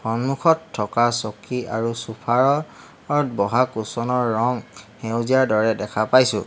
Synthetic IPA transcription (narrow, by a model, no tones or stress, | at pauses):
hɔnmukʰɔtʰːɔkasɔkiaɹusupʰaɹɔ | aɹbɔɦakusɔnɔɹːɔŋhewzijaɹdɔɹɛdɛkʰapajsʊ̰̃